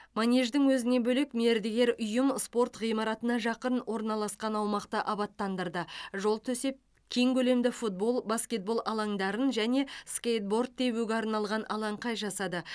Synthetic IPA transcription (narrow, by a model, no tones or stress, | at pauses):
manʲeʒd̪ɪŋwɵzɪne̞bɵlekmeɾd̪eɡʲe̞ɾʊjəmspo̞rt̪ʁijmɑɾɑt̪ənɑʒɑqənwʔo̞ɾnɑlˠɑsqɑnɑwmɑqt̪əʔɑbɑt̪ːɑnd̪əɾd̪əʒo̞lˠt̪ʰɵse̞p̚ | kʲʰe̞ŋkʲʰɵle̞md̪ɪfut̪̚bo̞lˠbaskʲe̞t̪̚bo̞lˠʔɑlˠɑŋd̪ɑɾənʒæne̞skʲejt̪̚bo̞rd̪̚ʰe̞wuɡʲeɑɾnɑlˠʁɑnʔɑlˠɑɴqʰɑjʒɑsɑd̪ə